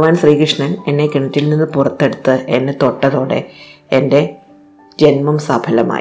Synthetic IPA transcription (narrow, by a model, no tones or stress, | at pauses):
ʋaːnɕriːkrɨʂɳɐne̞nːe̞kiɳɐtːilninːɨpurɐt̪ːe̞ɽut̪ːɨenːet̪o̞ʈːɐðo̞ːɽe̞̰ | ende̞ | d͡ʑe̞nmɐmsɐbʱʰɐlɐma̰ː